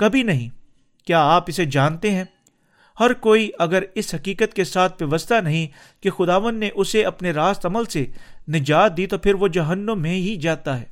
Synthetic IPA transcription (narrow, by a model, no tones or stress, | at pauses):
kɐbʱinɐɦĩː | kjaːaːpɪsed͡ʒaːnt̪eɦɛ̃ː | hɐɾkoːiʔɐɡəɾɪsɦɐkiːkət̪kesaːt̪ʰʋjɐʋəst̪anɐɦĩ | kexʊd̪aːʋə̃nd̪neʔʊseɐpneɾaːst̪ɐməlsenɪd͡ʒaːt̪̚d̪it̪opʰɪɾʋod͡ʒɐɦənːõːẽɦid͡ʒaːt̪aɦɛː